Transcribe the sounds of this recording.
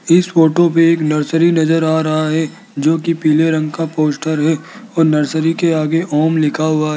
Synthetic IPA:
ɪsfoːʈop̬eeːknɐɾsəɾinɐzəɾaːaɾɐɦaɦɛ | d͡ʒoːkipiːleɾɐ̃ŋɡkapoːsʈəɾɦɛɔːɾnɐɾsəɾikeaːɡeʔɔːmlɪkʰaɦʊaɦɛ

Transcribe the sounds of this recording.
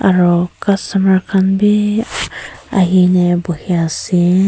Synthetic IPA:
aɹɔkastamaɹkʰanbi | a̰ɦinɛbɔhiasi

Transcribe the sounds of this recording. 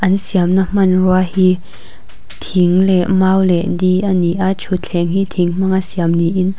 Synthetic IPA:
ʔɐnsiamnam̥ɐnruahi | t̪ʰiŋlɛʔmawlɛʔdiʔaniʔaʔt͡sʰut͡ɬʰɛŋɦit̪ʰiŋm̥aŋʔasiamniʔin

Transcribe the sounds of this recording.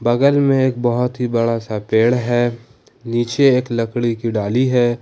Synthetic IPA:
bɐɡəlmẽeːk̚bɐɦʊt̪ɦibɐɽasapeːɽɦɛː | niːt͡ʃeeːklɐkɽikiɖaːliɦɛː

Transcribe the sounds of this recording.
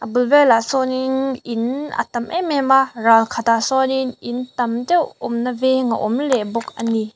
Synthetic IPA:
abulvɛlasɔninina̰t̪ɐmʔemɛmaralkʰat̪asɔninint̪ɐmtɛwɔmnɐvɛŋa̰ʔɔmlɛbɔk̚ɐni

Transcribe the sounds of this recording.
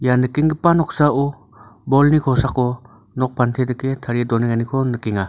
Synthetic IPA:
janɯkiŋɡɯpanɔk̚saʔu | bɔlnikʰɔsakɔ | nɔk̚pʰantʰedɯketʰaɾidɔniŋanikʰɔnɯkiŋa

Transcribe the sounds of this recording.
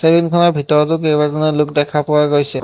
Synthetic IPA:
sebinkʰɔnɔɹbʱitɔɹɔtʊk̬ejbazɔnɔlʊkdɛkʰapɔwaɡojsɛ

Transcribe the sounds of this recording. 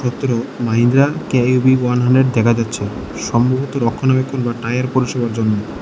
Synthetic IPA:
ʃɔt̪ːoɾomaɦind̪ɾakeubiwanɦaɳɖɾeɖ̚d̪ɛkʰad͡ʑatːɕʰe | ʃɔmbobʱot̪oɾɔkʰːonabekʰːonbaʈajaɾpoɾiʃebaɾd͡ʑonːo

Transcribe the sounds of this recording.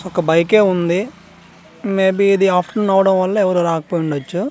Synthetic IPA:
ɔkɐbɐjke̞ːund̪i | meːbiːd̪iaːpʰʈɐnɐwɐɽɐmʋɐlːɐɛʋɐɾuɾaːkɐ̥poːjiɳɖɐt͡ʃːu

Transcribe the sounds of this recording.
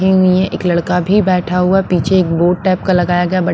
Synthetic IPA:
iɦʊiɦɛ̃ʔeːklɐɽkabʱibɛːʈʰaɦʊapiːt͡ʃʰeeːk̚boːʈ̚ʈɛːp̚kalɐɡaːjaɡɐjabɐ

